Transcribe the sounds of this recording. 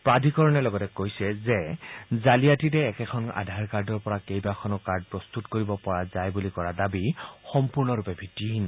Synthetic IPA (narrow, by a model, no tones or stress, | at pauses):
pɹadʱikɔɹɔnɛlɔɡɔtɛkojsɛzɛzalijatitɛːkɛkʰɔna̰dʱaɹkaɹdɔɹpɔɹakejbakʰɔnɔkaɹd̚pɹɔst̪utkoɹibɔpɔɹazajbulikɔɹadabixɔmpuɹnɔɹupɛbʱitiɦin